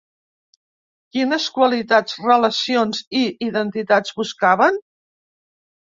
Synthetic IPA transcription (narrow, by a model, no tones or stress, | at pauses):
kinəskwəlit̪ad͡zrələsionziːðənt̪it̪ad͡zβuskaβən